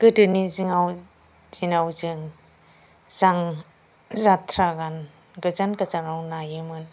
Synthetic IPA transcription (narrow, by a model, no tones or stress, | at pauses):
ɡ̥ɯdɯniziŋaw | dʰinawzɯŋ | zaŋ | zatʰɾaɡan | ɡɯzankazaŋawnajɯmɯn